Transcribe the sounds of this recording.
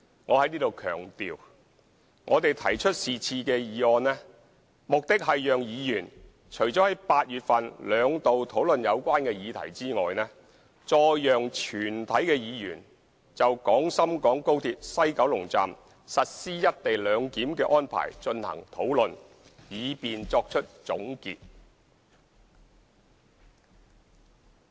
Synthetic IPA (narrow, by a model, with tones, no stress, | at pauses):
ŋɔː˨˧hɐ˨˥jniː˥t̪o˨wkʰœ̰ː˨˩ŋt̪iː˨w | ŋʔɔː˨˧t̪e˨jt̪ʰɐ̰˨˩jt͡ʃʰɵ˥t̚siː˨t͡sʰiː˧kɛː˧jiː˨˧ɔː˧nlɛː˥ | mʊ˨k̚t̪ɪ˥k̚ɦɐ˨jjœː˨ŋjiː˨˧jyː˨˩n | t͡ʃʰɵ˨˩ɥt͡ʃɔː˨˥hɐ˨˥jpaː˧t̚jyː˨t̚fɐ˨nlœː˨˧ŋt̪o˨wt̪ʰo˨˥wlɵ˨njɐ˨˧wkʷaː˥nkɛː˧jiː˨˧t̪ʰɐ̰˨˩jt͡siː˥ŋɔː˨jnɛː˥ | t͡ʃɔː˧jjœː˨ŋt͡ʃʰyː˨˩nt̪ʰɐ˨˥jkɛː˧jiː˨˧jy̰ː˨˩n | t͡sɐ˨wkɔː˨˥ŋsɐ˥mkɔː˨˥ŋko˥wt̪ʰiː˧p̚sɐ˥jkɐ˨˥wlʊ˨˩ŋt͡sa̰ː˨m | sɐ˨t̚siː˥jɐ˥t̚t̪e˨jlœː˨˧ŋkiː˨˥mkɛː˧ʔɔː˥npʰa̰ː˨˩jt͡ʃɵ˧nhɐ̰˨˩ŋt̪ʰo˨˥wlɵ˨n | jiː˨˧piː˨nt͡sɔː˧k̚t͡ʃʰɵ˥t̚t͡sʊ̰˨˥ŋkḭː˨t̚